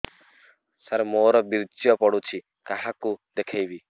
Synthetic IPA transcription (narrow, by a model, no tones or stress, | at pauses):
səɾmoːɾɔbiɾd͡ʒjɔpɔɽut͡ʃʰi | kaɦãkud̪ekʰajʋi